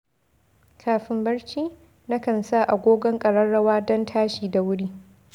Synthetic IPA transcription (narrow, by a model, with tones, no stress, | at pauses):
kʰaː˨ɸɪ˦mbɐ˦ɽt͡ʃiː˦ | na˦kɐ˨nsa˦˨ʔa˨ɡʷoː˦ɡɔ˦ŋkʼɐ˨ɽɐ˦nɽɐ˦waː˦dɔ˦ntʰaː˦ʃiː˨da˨wʊ˦ɽiː˦